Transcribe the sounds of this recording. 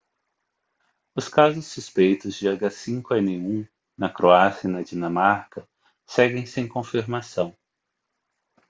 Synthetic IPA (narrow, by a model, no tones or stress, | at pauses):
ʊskazʊsːuspejt̪ʊzd͡ʒɪaɡasĩŋkʊɛnɪeũ | nɐkɾoasjɐnɐd͡ʒinɐ̃maɾkɐ | sɛɡẽj̃sẽj̃kõfiɾmasɐ̃w̃